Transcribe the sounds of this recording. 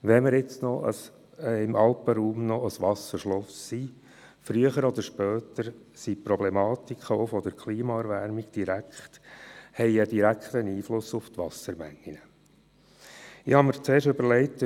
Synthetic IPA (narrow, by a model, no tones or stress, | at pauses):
ʋɛməɾɪt͡snɔə̰s | ɪmʔɑlpəɾuːmnɔəsʋɑsəɾʃlɔsːi | fɾyəχəɾɔd̪əɾʃpœːtəɾ | sipɾɔblɛmɑːt̪ikʰəoʊfɔd̥̪əɾkʰliːmɑɛɾʋæɾmiɡ̥d̥iɾækχthɛɪədiɾækχtəniːflʊsʊft̪ʋɑsəɾmæ̰ŋːinə | ɪhɑməɾt͡seːɾʃɵbəɾlɛɪt